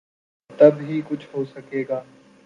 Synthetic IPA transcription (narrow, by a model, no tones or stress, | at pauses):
t̪ɐbɦikʊt͡ʃʰɦoːsɐkeːɡaː